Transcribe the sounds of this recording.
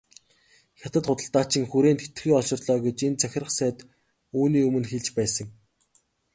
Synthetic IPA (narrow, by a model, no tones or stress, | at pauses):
xʲat̪ə̆t̪χʊt̪ə̆ɬt̪aːt͡ɕʰɪ̆ŋxuɾeːnt̪e̥t̪̆xiːɔʃɪ̆rɮœːɡet͡ɕent͡sʰæxʲɪ̆rə̆χsæːt̪ | uːniːɵmɵ̆nxeɮt͡ɕpæːsə̆ŋ